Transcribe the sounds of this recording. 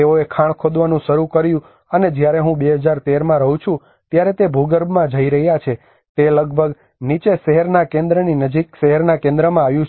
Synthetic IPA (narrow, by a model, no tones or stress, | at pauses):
eoekʰaɳ̃kʰod̪ʋanũʃəɾukəɾjũ | əned͡ʒjaɾeɦũbeɦəd͡ʒaɾt̪eɾmãɾəɦũt͡ʃʰũ | t̪jaɾet̪ebʱuɡəɾbmãd͡ʒəiɾəɦjat͡ʃʰe | t̪eləɡ̚bʱəɡ | nit͡ʃeʃəɦəɾnakẽnd̪ɾəninəd͡ʒikʃəɦəɾnakẽnd̪ɾəmãaʋjũ